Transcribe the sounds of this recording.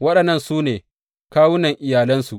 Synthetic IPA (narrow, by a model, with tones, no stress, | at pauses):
wɐ˦ɗɐ˨nːɐ˦nsuː˦neː˨ | kaː˦wʊ˦nɐ˨ŋʔɪ˨jaː˨lɐ˦nsu˨ʔ